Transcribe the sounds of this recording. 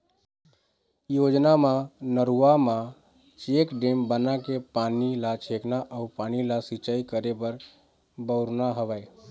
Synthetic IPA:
jod͡ʒnamãnəɾuamã | t͡ʃekɖembənakepanilat͡ʃʰeknaʔəupanilasit͡ʃaikəɾebəɾ | bəʊɾnaɦəʋəj

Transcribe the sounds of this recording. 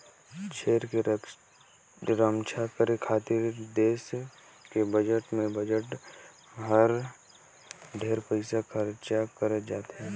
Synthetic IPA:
t͡ʃʰeːɾke | ɾəmt͡ʃʰakəɾekʰaːt̪iɾd̪eːs | kebəd͡ʒəʈmẽbəd͡ʒəʈ | ɦəɾ | ɖʱeːɾpəɪsakʰəɾt͡ʃakəɾəd͡ʒaːt̪ɦɛː

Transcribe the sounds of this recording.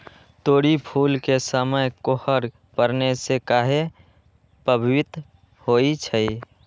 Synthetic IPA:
t̪oːɽipʰuːlkesəməjkohəɾ | pəɾnesekaːɦe | pəbʱwɪt̪ | hoːit͡ʃʰəi

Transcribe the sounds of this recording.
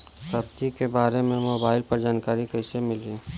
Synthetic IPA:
sɐbt̪ikebaːɾemẽmoːbaːɪlpɐɾd͡ʒaːnkaːɾikɐɪsemɪliː

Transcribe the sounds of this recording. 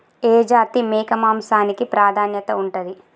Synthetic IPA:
eːd͡ʒaːt̪imɛːkɐmaːmsaːnikipɾaːd̪ʱaːnjɐt̪ɐuɳʈɐd̪i

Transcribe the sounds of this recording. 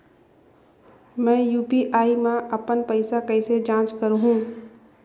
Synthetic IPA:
mɛ̃ːjuːpiʔaːimãʔəpənpəɪsakɐɪsed͡ʒãːt͡ʃkəɾɦũː

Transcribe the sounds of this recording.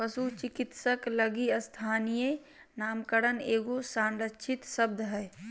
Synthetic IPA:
pəsut͡ʃɪkɪt̪səkləɡiəst̪ʰaːnije | naːmkəɾəneːɡosãːɳɖətːt͡ʃʰɪt̪səb̚d̪ʱɦɛː

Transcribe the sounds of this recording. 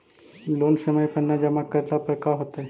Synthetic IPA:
loːnsəməjpənːad͡ʒəmakəɾlapəɾkaɦot̪ae

